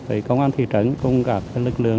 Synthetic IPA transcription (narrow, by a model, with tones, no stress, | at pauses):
və˨˩kə˧wŋ͡mʔaː˧nt̪ʰḭ˧˨t͡ɕə˧˩nkʊ˧wŋ͡mɣa˨˩p̚t̪ʰːlɨ˨˩k̚lɨ̰˧˨əŋ